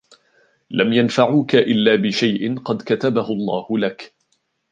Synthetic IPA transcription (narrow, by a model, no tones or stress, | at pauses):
lamjanfaʕuːkaʔɪlːaːbɪʃajʔɪnqɑd̪kat̪abahʊɑlˤːɑːhʊlak